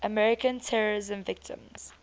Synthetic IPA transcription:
ʔəmɛɹɪkə̃ntʰɛɹəɹɪzə̃mvɪk̚tʰɪ̰̃mz̥

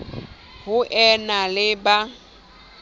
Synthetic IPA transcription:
hʊʔɛnalɪba

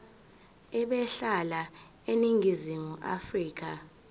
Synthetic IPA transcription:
ɛɓɛɬala | eniŋʱizimuʔa̰friːk̬a

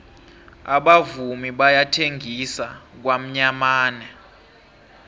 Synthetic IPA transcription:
aɓavumiɓajatʰeŋɡʱisak̬wam̩ɲamaːnɛ

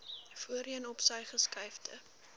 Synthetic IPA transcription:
fuəɾiənɔpsəjχəskɐjfdʰə

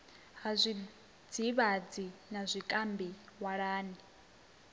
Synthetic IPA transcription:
ɦazʷi | d͡ziβad͡zinazʷikʼambiwaɺaːni

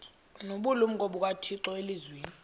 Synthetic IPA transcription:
noɓulum̩k̬ʼoɓuk̬ʼatʰiǀɔelizweːni

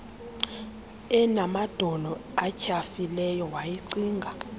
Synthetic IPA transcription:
ɛnamad̥ʱɔnɔacʰafilɛjɔwajiǀiːŋɡʱa

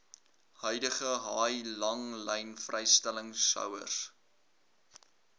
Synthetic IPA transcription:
hœɥdəχəɦɑːjlɐŋlɛjnfrʔɛjstæləŋsɐ̰wə̰s

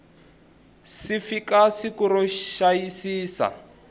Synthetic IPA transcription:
sifikasikuɾɔʃajisiːsa̰

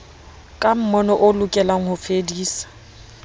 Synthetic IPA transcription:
kʼam̩mɔnɔʔʊlʊkʼɛlaŋ̩hʊfediːsḁ

